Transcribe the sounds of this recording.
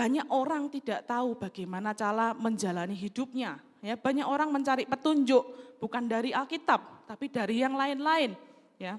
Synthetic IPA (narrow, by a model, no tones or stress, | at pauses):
b̥a̤ɲakoɾaŋt̪id̥a̤ʔt̪aub̥a̤ɡ̥ajmanat͡ʃaɾaməɲd͡ʒalaniɦidʊp̚ɲa | jab̥a̤ɲakoɾaŋməɲt͡ʃaɾɪʔpət̪uɲd͡ʒʊʔb̥ṳkandaɾialkit̪ap̚t̪apid̥aɾijaŋlaɪnlaɪn | ja